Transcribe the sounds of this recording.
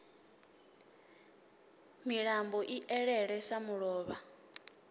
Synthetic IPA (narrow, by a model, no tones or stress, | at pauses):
miɺambɔʔiʔɛɺɛɺɛsamuɺɔːβa